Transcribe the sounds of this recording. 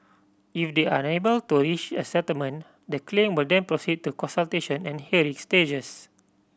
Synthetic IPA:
ifdeanebəltuɹit͡ʃə̰sɛtəlmə̃n | dəklẽmwildɛ̃npɹosid̚tukɔ̃nsalteʃɔ̃nɛ̃nhiɹĩŋsted͡ʒəs

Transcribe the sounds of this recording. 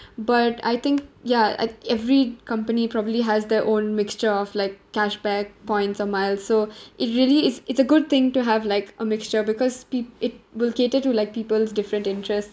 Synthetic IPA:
bʌʈa̰ɪt̪ʰɪ̃ŋkjaa̰ɪɛvɾikʌ̃mpənipɾɔbəbliɦæzd̪əʔõːnmɪkst͡ʃəɾɔflaɪkːæʃbæk̚pɔ̃ɪ̃nʈsɔmaɪlzsoːʔɪʈɾiəliɪsɪtsəɡʊd̚t̪ɪ̃ŋʈuɦævlaɪkəmɪkst͡ʃəbɪkɔzpiɪʈ̚wɪlkeːʈɪʈːulaɪk̚piːpəlzdɪfɾə̃nʈɪ̃nʈɾɛsts

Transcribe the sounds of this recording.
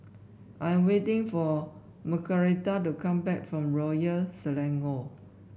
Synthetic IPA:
ʔãjɛ̃mwetɪ̃ŋfɔ | məkʰəɹitatukãmbɛk̚fɹɔ̃mɹɔjəlsəlɛ̃ŋɡo

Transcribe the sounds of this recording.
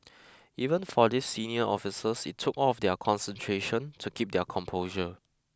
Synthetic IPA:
ivə̃nfɔdisːiniəʔɔfisəsitʰːukɔfdɛkʰɔ̃nsə̃ntʰɹeʃə̃ntʰukʰip̚dɛkʰɔ̃mpʰoʒə

